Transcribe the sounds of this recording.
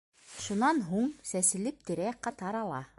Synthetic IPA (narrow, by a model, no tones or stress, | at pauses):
ʃunɑnɦuɴsæsɘ̆lɘp̚t̪ɘ̆ɾæqɑt̪ɑɾɑlˠɑ̰